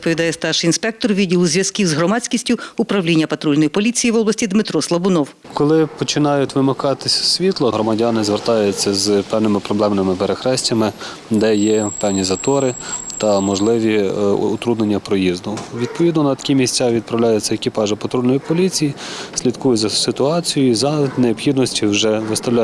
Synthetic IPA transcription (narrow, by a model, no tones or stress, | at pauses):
d̪pɔʋʲid̪ɑjɛst̪ɑrʃinspɛk̚t̪ɔrʋʲidʲilˠuzʲʋʲjɐskʲiwzɦɾɔmɑt͡sʲkʲisʲtʲʊʊpɾɐwlʲinʲːɐpɐt̪ɾulʲnɔjipɔlʲit͡sʲijiʋɔblɐsʲtʲid̪mɪt̪ɾɔslˠɐbʊnɔw | kɔlˠɪpɔt͡ʃɪnɑjʊtʲʋɪmɐkɑt̪ɪsʲɐ̥sʲʋʲit̪lˠɔɦɾɔmɐdʲɑnɪzʋert̪ɑjʊt͡sʲːɐzpɛwnɪmɪpɾɔblˠɛmnɪmɪpeɾexɾɛsʲtʲɐmɪ | d̪ɛjɛpɛwnʲizɐt̪ɔɾɪt̪ɐmɔʒlˠɪʋʲiʊ̰t̪ɾud̪nenʲːɐpɾɔjizd̪ʊʋʲid̪̚pɔʋʲid̪nɔnɐt̪ɐ̥kʲimʲisʲt͡sʲaʋʲid̪̚pɾɐwlʲajɛt͡sʲːɐekʲipɑʒɐpɐt̪ɾulʲnɔjipɔlʲit͡sʲijisʲlʲid̪kujʊzɐsɪt̪ʊɑt͡sʲijʊizɐneɔpxʲid̪nɔsʲtʲiwʒɛʋɪst̪ɐwlʲ